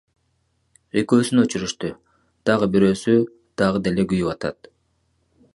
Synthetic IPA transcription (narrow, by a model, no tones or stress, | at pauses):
ekøːsynøt͡ʃyɾyʃt̪y | d̪̥ɑʁɯbiɾø̞ːsy | d̪̥ɑʁɯd̪e̞le̞ɡyjywɑt̪ɑ̰t̪